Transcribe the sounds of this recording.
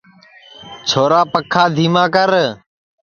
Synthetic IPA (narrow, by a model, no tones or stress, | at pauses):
t͡ʃʰoːɾaːpəkʰaːd̪ʱiːmãːkəɾ